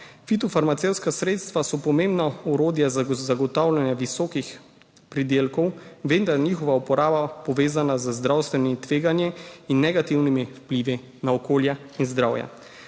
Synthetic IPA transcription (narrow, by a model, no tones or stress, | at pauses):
fit̪ɔfaɾmat̪sewt̪skasɾeːt̪st̪ʋasɔpɔmẽmbnauɾoːd̪jazzaɡɔt̪awlanjaʋisɔːkix | pɾid̪eːlkɔwʋend̪aɾniːxɔʋaɔpɔɾaːbapɔʋeːzanazəzd̪ɾawst̪ʋɛniit̪ʋeːɡanjiinːɛɡat̪iwnimifpliːʋi | naɔkoːlja | inzd̪ɾawja̰